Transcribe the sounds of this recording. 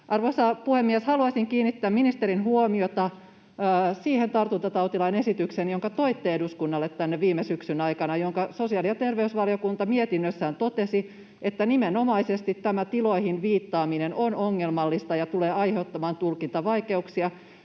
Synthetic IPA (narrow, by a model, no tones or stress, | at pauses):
ʔɑrʋoisɑpuhemːieshɑluɑsiŋkiːnːit̪ːæːminist̪eɾinhuomiot̪ɑː | siːhent̪ɑrt̪unt̪ɑt̪ɑut̪ilɑinesit̪yksenjoŋkɑt̪o̞it̪ːeeduskunːɑlːet̪tænːeʋʋiːmesyksynɑikɑnɑjoŋkɑso̞siɑːlijɑt̪erʋeysʋɑliokunt̪ɑmiet̪inːøsːæːnt̪ot̪esi | et̪ːænimenomɑisest̪it̪ːæmæt̪iloihinʋiːt̪ːɑːminenonoŋːelmɑlːist̪ɑjɑt̪uleːɑiheot̪ːɑmɑːnt̪ulkint̪ɑʋɑikeuksiɑ